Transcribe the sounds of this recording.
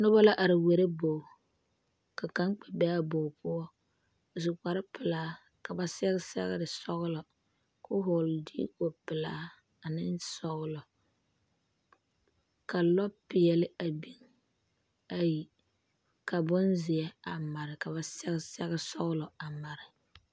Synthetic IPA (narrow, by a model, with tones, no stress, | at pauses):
nʊ˦ba˦la˦ʔa˨ɾɪ˨we˨ɾe˦bo˨ | ka˨ka˦ŋk͡pɛ˨bɛ˦a˦bo˨pʊ˦ɔ˦ | zʊ˨ka˨ɾɪ˦pɪ˨laː˦ | ka˨ba˨sɛ˦ɣɪ˦sɛ̰˦ɣɪ̰˦ɾɪ˨sɔ˦ɣʊ˦lɔ˨ | kʊ˦ɦʊ˨ldḭ˦ko˨pɪ˨laː˦ | a˨nɪ˦nsɔ˨ɣʊ˦lɔ˨ | ka˨lɔ˦pɪ˨ɛ˨lɪ˦a˨bi˦ŋ | a˨ji˨ | ka˨bʊ˦nzɪ˨ɛ˦a˨ma˨ɾɪ˨ka˨βa˨sɛ˦ɣɪ˦sɛ˦ɣɪ˦sɔ˦ɣlɔ˨a˨ma˨ɾɪ˨